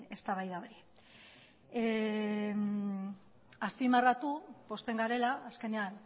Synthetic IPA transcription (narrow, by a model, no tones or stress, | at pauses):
e̞st̪aβajðaoɾi | e | aspimarat̪upo̞st̪e̞ŋɡaɾe̞laːske̞nean